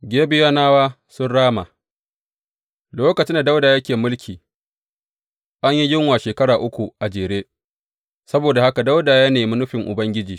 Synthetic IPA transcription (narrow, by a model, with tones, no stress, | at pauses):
ɡʲeː˦bɪ˦ja˦naː˦waː˦ | sʊ˦nɽaː˦ma̰ː˨ | loː˦kɐ˨t͡ʃɪ˦nda˨da˦wdaː˨jɐ˦kʲeː˨mʊ˦lkʲʰiː˨ | ʔa˦ɲji˦jɪ˦ŋwaː˨ʃeː˨kɐ˦ɽaː˨ʔʊ˦kʷu˨ʔa˨d͡ʒeː˨ɽeː˦ | sɐ˦boː˨da˨ha˦ka˨da˦wdaː˨jaː˦neː˨mʊ˦nʊ˦ɸɪ˨ŋʔʊ̰˨bɐ˦ŋɡʲɪ˦d͡ʒiː˨